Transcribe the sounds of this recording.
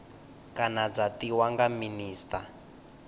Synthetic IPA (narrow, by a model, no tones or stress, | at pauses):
kanad͡zatiwaŋɡaminiːsta